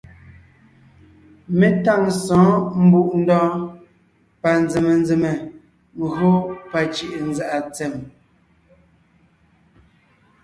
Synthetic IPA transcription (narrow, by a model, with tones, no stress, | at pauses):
me˦ta˦˨ŋsɔ̃ː˨˦m̩˦bu˦˨ʔn̩˦dɔː˦ | pa˨nd͡ze˨me˨n˦d͡ze˨me˨ | ŋ˦ɣo˦pa˨t͡ʃi˦˨ʔn˦za˦ʔa˨t͡sɛ˨m